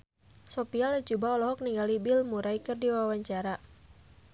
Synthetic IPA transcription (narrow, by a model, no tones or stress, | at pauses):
sɔpialat͡ʃubaɔlɔɦɔk̚niŋɡalibilmuɾaikɨrdiwawaɲt͡ʃaɾa